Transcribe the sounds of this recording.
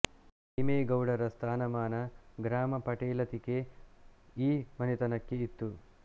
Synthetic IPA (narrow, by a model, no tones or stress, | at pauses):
imeːɡɐwɽɐɾɐst̪ʰaːnɐmaːnɐɡɾaːmɐpɐʈeːlɐt̪ike | iːmɐnit̪ɐnɐkːeit̪ːu